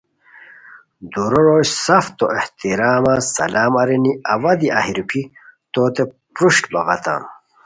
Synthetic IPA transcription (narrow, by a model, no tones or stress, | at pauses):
d̪uɾoɾoɕsɐft̪oʔeht̪iɾaːmasɐ̰laːmɐɾiniɐwɐd̪iahiɾupʰit̪oːt̪e | pɾuɕʈbɐɣɐt̪ã̰ːn